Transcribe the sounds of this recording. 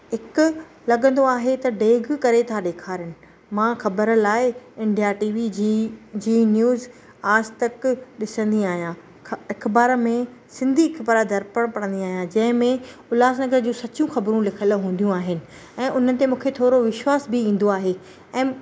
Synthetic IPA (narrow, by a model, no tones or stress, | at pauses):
ɦɪkʊ̆ | lɐɠə̃nd̪oaːɦet̪ɐɖeːɡkɐɾet̪ʰaɗeːkʰaːɾənɪ̆ | mãːxɐbəɾlaːɪɪ̃ɳɖiaːʈiːʋid͡ʑid͡ʑiːnjuːz | aːzt̪ɐkɗɪsə̃nd̪iaːɦijã | ɪkbaːɾmẽsɪ̃nd̪ʱiɪkbaːɾad̪ʱɐɾpəɽ̃pɐɽ̃nd̪iaːɦijãd͡ʑɐ̃ɦɪ̃mẽʊlaːznɐɡəɾd͡ʑũːsɐt͡ɕũxɐbɾũlɪkʰəlɦũːnd̪jũaːɦɪnɪ̆ | ɛ̃ːʔʊn̤ənɪ̆t̪emũːkʰet̪ʰoːɾoʋɪʃwaːsbɪĩːn̆d̪oaːɦe | ɛ̃ː